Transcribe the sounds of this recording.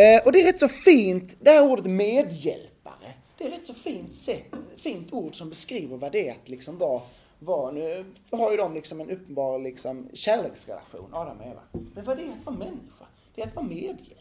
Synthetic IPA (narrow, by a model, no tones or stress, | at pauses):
ʔɔd̪ɛæɾɛt̪ːsɔfiːnt̪d̪ɛhæːɾuːɖət̪meːd̪jɛ̰lpa̰ɾə̰ | d̪̥ɛæɾɛt̪ːsɔfiːnt̪sɛt̪ːfiːnt̪ʰuːɖsɔmbɛskɾiːvəɾvad̪ɛat̪lɪksɔmvɑ | vɑnʉ̟ | haɾjəd̪ɔmlɪksɔmɛnɵpːənbɑːɾlɪksɔmɕæːɾɭeːksɾɛ̰la̰ɧṵːnʔad̪æɾmḛːva̰mɛnvad̪ɛat̪vɑːmɛnːɪɧa̰ | d̪̥ɛːat̪vɑːmeːd̪jɛ̰l